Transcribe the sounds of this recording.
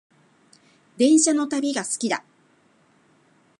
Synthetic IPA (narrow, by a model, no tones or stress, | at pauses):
d̪ẽ̞ɰ̃ɕano̞t̪abʲiɡasɨ̥kʲid̪a̰